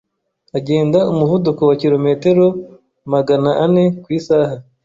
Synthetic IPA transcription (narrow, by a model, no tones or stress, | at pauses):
aɟe̞ːndaumuvudukowaciɾo̞me̞te̞ɾo | maɡanaʔane̞kwiːsaːha